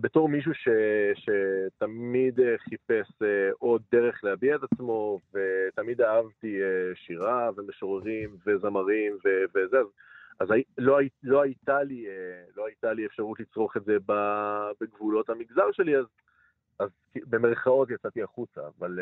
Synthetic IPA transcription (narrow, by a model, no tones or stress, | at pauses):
beto̞ʁmiʃ̬uʃe̞ʃe̞t̪amid̪eχipe̞seʔo̞d̚ːe̞ʁe̞χlehabiaetat͡smo̞ve̞t̪amid̪aɦavt̪ieʃiʁave̞meʃo̞ʁeʁimve̞zamaʁimvevezeaz | azaloajlo̞ajt̪alielo̞ajt̪aliefʃaʁut̪lit͡sʁo̞χetze̞babeɡvulo̞thamiɡzaʁʃe̞liaz | azkbe̞meʁχao̞t̪jat͡sat̪iaχut͡sa̰ːval